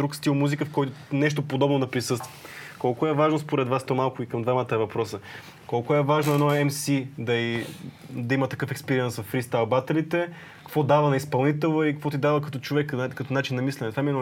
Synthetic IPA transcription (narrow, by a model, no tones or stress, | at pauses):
d̪ɾukst̪ilˠmuzikəfkɔjt̪ʊnɛʃ̬t̪opod̪ɔbnod̪ɐpɾisɤst̪vəkɔlˠkʊɛvaʒnospoɾɛd̪vast̪omalˠkʊikɐmd̪vamət̪əɛvɐpɾɔsə | kɔlˠkʊɛvaʒnoɛnɔɛmsid̪ɐi | d̪ɐimɐt̪ɐkɤfɛkspɛɾiɛnsvɐfːɾist̪alˠbat̪ɛlit̪ɛ | kɐkvɔd̪avɐnɐispɐlˠnit̪ɛlˠəikkvɔt̪̬id̪avɐkɐt̪ɔt͡ʃovɛkːkɐt̪ɔnat͡ʃinːɐmislʲɛnɛt̪vamiɛnɔ